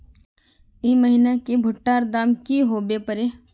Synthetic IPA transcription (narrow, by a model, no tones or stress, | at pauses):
iməɦinakibʱʊʈːaːɾd̪aːmkiɦoːbepəɾeː